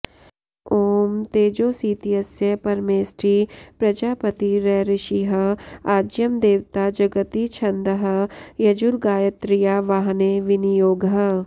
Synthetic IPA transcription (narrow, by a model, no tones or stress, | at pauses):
oːmt̪eːd͡ʒoːsiːt̪iɦɐsjɐpɐɾmeːsɾiːpɾɐd͡ʒaːpɐt̪iɾɛɾɪʃiɦɐaːd͡ʒjəmd̪eːʋt̪ad͡ʒɐɡət̪it͡ʃʰɐ̃nd̪əɦə̆jɐd͡ʒʊɾɡaːjət̪ɾɪjaʋaːɦneʋɪnijoːɡɦə